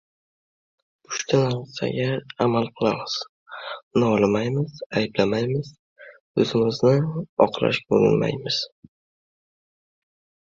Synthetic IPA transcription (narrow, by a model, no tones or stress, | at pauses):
ʊ̥ʃt̪ʰanaɾsa̰ɡʲaamalˠqʰɨlˠamɪz̥ | naɒlˠɪmajmɪz̥ajblamajmɪz̥ | ɵzɪmɪznɪɒqla̰ʃboɾʊ̰nma̰jmɪz̥